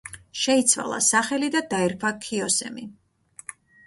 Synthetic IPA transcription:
ʃɛit̪sʰwa̰lˠa̰saχɛlid̪ad̪aɛɾpʰakʰiɔsɛ̰mi

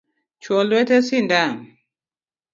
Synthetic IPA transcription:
t͡ʃwɔlwɛtɛsindam

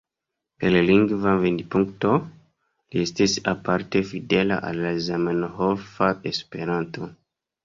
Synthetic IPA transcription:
peɾlaliŋɡvavendipuŋkto̞ | liestisapaɾtefidela̰ʔa̰lːazamanhofaespe̞ɾanto

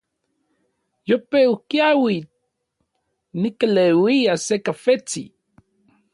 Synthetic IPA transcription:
jopeukjawit̪̚ | nikalewijasekafet͡sḭ

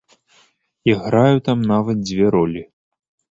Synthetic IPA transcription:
iɣɾajut̪amnavɐt̪̚d͡zʲvʲɛɾɔlʲi

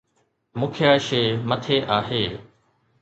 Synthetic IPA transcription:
mʊkʰɪjaːʃeːmət̪ʰeːʔaːɦeː

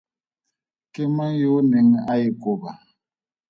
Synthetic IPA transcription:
kɪmaŋjoneŋajikʼoba

